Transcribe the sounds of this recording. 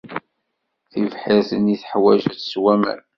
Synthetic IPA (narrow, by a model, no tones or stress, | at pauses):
θivħiɾθəniθħwæʒæθswæmæ̰n